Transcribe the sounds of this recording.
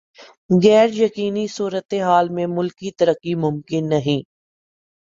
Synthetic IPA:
ɣɛːɾjɐkiːnisuːɾət̪eɦaːlmẽmʊlkːit̪ɐɾəqːimʊ̃mkɪnːɐɦĩː

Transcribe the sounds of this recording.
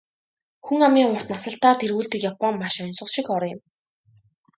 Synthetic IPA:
xuŋamiːŋʊr̥t̪nasə̆ɬt̪aːt̪ʰerɣuːɮt̪ĭːkjapɔŋmaʃɔnsɞ̆ʃikɔɾɞjɪ̆m

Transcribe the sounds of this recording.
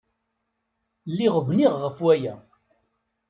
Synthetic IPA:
lːiʁəvniʁːəfwæjæ

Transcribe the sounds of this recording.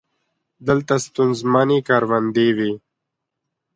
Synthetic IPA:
d̪əlt̪ast̪unzmanikaːɾwand̪ewi

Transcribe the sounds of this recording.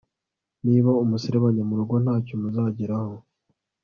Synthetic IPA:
niːβaumusiɾeβaɲamuɾuɡo̞n̥haːcomuzaːɟiɾaho̞

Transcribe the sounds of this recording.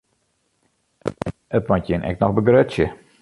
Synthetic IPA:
ətmɔtjɪnʔɛ̰k̚nɔxbəɡrøtsjə

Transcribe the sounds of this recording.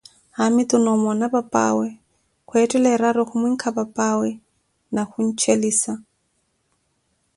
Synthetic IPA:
hamɪtʊnɔmɔnabapʼa̰wɛ | kʊɛtʼɛlɛraɾɔχʊmiŋ̩kʰabapʼawɛ | naχʊn̩t͡ʃʰeliːsa

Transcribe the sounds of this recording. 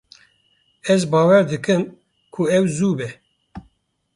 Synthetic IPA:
ɛzbɑːwɛɾd̪ɨkɨm | kʰuɛwzuːbɛ

